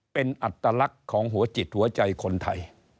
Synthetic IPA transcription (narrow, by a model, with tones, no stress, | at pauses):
pe˧nʔa˨˩t̪ːaː˧la˦˥kʰːɔː˩˦ŋɦu˨˩˦ɐt͡ɕi˨˩t̪̚hu˩˦ɐt͡ɕa˧jkʰo˧nt̪ʰa˧j